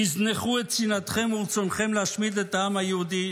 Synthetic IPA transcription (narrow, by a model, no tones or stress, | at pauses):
izneχuet̪sinat̪χemuʁt͡sonχemleaʃmid̪et̪aamajehud̪i